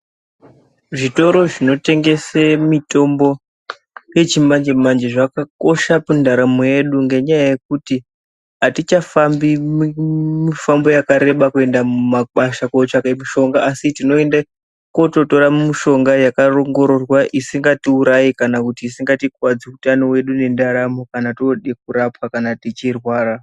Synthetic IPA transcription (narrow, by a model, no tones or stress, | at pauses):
ʐito̞ɾo̞ʐino̞te̞ŋɡe̞semito̞mbo̞ | je̞t͡ʃimand͡ʒemand͡ʒeʐakako̞ʃapundaɾame̞ɗuŋɡe̞ɲajaje̞k̚uti | ɦatit͡ʃafambimmifambo̞jakaɾe̞ɓakue̞ndamumaɓaʃakot͡ʃakamiʃo̞ŋɡaʔasitino̞enda | koto̞to̞ɾamumiʃo̞ŋɡajakaro̞ŋɡo̞ɾo̞rwaʔisiŋɡatiuɾajikanakutiːsiŋɡatik̚wad͡ziutano̞we̞ɗune̞ndaɾamokanatoɗek̚uɾapwakanatit͡ʃirwaːra